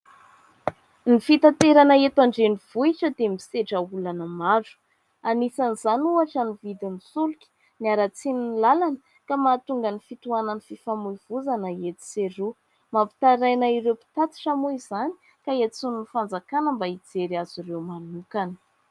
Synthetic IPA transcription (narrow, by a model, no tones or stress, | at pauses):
nifit̪at̪eɾanəet̪aɳɖ͡ʐeniv̥uiʈ͡ʂəd̪emiseʈ͡ʂəulanəmaɖ͡ʐu̥ | anisaniz̥anuaʈ͡ʂanivid̪imisulukʲi̥ | niaɾat͡sininlalanə | kamat̪uŋɡənifit̪uanənififamujv̥uzanəet̪i̥seɾu | mapi̥t̪aɾajnaiɾewpi̥t̪at̪i̥ʈ͡ʂamuizani̥ | kaet͡suninifand͡zakanəmbaid͡zeɾiaziɾewmanukanə̥